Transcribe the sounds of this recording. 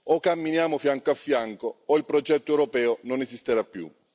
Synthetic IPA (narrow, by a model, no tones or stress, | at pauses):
okːamːinjaːmofjaŋkoafːjaŋkoːilpɾɔd͡ʒɛt̪ːoɛwɾopɛːononezist̪eɾapːjṵ